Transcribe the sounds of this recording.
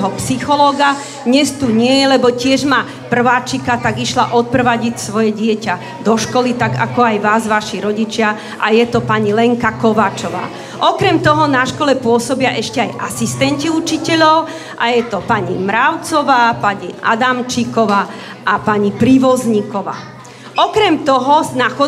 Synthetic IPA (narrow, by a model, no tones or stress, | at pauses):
ɦɔpsixɔlɔːɡa | ɲɛst̪uɲɪɛjɛlɛbɔcɪɛʒma | pr̩ʋaːt͡ʃikat̪aɡiʃlaʔɔt̪̚pr̩ʋaɟicsʋɔjɛɟɪɛca | d̪ɔʃkɔlit̪aɡa̰kɔajʋaːzʋaʃiɾɔɟit͡ʃɪa | ʔajɛt̪ɔpaɲilɛŋkakɔʋaːt͡ʃɔʋa̰ː | ʔɔkɾɛmt̪ɔɦɔnaʃkɔlɛpʊɔsɔbɪaʔɛʃcɛajʔa̰sist̪ɛnciut͡ʃicɛʎɔʊ | ʔajɛt̪ɔpaɲimɾaʊt͡sɔʋaːpaɲia̰d̪amt͡ʃikɔʋaː | ʔapaɲipɾiʋɔzɲikɔʋa̰ː | ʔɔkɾɛmt̪ɔɦɔnaxɔ